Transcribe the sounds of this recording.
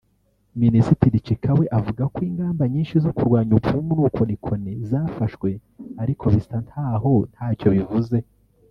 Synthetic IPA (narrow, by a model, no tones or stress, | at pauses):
minisitiɾit͡ʃikʰawe̞ʔavuɡakwiːŋɡaːmbaɲiːnʃizokuɾɡwaːɲubɡumunuːkʰo̞nikʰo̞nezaːfaʃkwe̞aɾikʰo̞βistanthaːɦo̞n̥haːco̞βivuze̞